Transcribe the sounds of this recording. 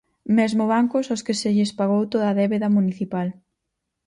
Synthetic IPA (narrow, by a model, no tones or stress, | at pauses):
mezmʊβaŋkʊsoskɪsɪʎɪspaɣowt̪oðɐðɛβeðɐmuniθipal